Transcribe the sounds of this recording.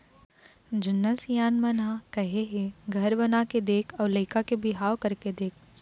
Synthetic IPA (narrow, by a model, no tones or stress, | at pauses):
d͡ʒɐnːəsjaːnmənɦãkɐɦeɦeɡʱɐɾbɐnaked̪eːkʰɔːɾleɪkakebʱɪɦaːwkɐɾked̪eːk̚ʰ